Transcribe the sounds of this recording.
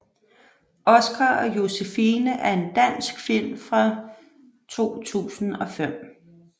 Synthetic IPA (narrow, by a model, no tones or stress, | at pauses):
ɒ̽sɡ̥ʰɑɒ̽jo̝sefiːnəʔæɐe̝nd̥æn̰sɡ̥fil̰mfʁɑ̈ | t͡sʰo̝̰ːt͡sʰṵːsn̩ɒ̽fem̰